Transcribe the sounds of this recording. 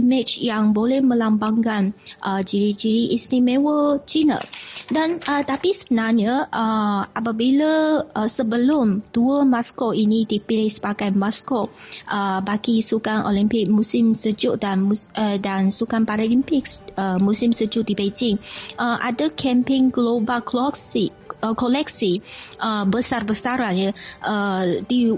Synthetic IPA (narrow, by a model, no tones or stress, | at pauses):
imɪt͡ʃjaŋbolɛhmə̃lambaŋkanʔəd͡ʒiɾid͡ʒiɾiʔisnimɛwət͡ʃinə̰danʔət̪apisəbənarɲəʔəʔapabilaəsəbəlʊmd̥uəmaskɔʔinidipilɪhsə̥pakajmaskɔʔʔəbaɡisukaŋʔo̰limpɪk̚mũsɪmsəd͡ʒʊʔdandansukanpaɾalimpɪk̚səmusɪmsəd͡ʒʊʔ̚dibed͡ʒɪŋʔəʔadəkʰɛ̃mpɪŋɡlobalkɔksi | əkolɛk̚siʔəbəsarbəsaɾanjəʔədi